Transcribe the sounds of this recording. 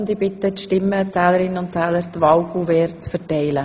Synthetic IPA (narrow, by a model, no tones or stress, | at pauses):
ndibɪt̪ətʃtɪmːət͡sæːləɾɪnəʊntt͡sɛːləɾt̪ʋɑʊɡuvɛːɾt͡sfəɾtɛɪlə